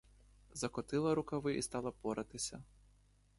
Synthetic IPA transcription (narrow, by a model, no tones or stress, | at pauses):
zɐkɔt̪ɪlˠɐɾʊkɐʋɪʔist̪ɑlˠɐpɔɾʔɐt̪ɪsʲɐ